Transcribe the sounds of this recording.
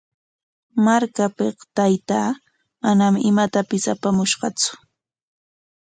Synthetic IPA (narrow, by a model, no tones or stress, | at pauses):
maɾkapeqt̪ajt̪aː | manamɪmat̪apɪsapamʊʃɢɑt͡sʊ̥